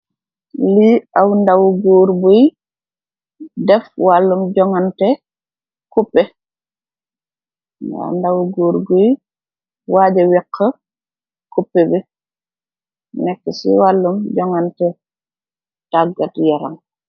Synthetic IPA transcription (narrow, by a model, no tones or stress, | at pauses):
liawndawuɡuːɾbuj | dɛfwalːumɟɔŋantɛ | kupːɛ | da̰ndawuɡuːɾbuj | waːd͡ʒɛwiqʰːə | kupːɛbɛ | nɛkːɛsḭwalːumɟɔŋantɛ | taɡatjaɾa̰ŋ